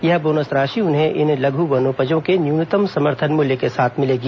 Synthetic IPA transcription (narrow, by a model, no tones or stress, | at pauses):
jɐɦboːnəsɾaːʃiʊnɦẽʔɪnlɐɡʱubɐnoːpəd͡ʒõkenjuːnɪt̪əmsɐməɾt̪ʰənmʊljəkesaːt̪ʰmɪleːɡi